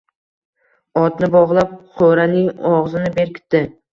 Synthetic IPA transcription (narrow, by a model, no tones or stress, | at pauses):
ɒt̪nɪbɒʁlˠap̚qʰoɾanɪŋɒʁzɪnɪbe̞ɾkʲɪ̥t̪ːɪ